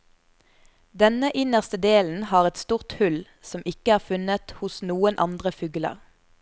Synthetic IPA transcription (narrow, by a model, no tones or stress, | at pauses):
d̪ɛnəʔɪnəʁst̪əd̪eːln̩hɑːʁɛt̪st̪uːʁt̪hʉl | sɔmʔɪkəæːʁfʉnət̪hʊsnuːənʔɑnd̪ʁəfʉːɡlə̰ʁ